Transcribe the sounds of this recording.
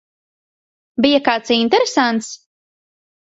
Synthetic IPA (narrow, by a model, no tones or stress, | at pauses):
bijakaːt̪sint̪ɛɾesant̪s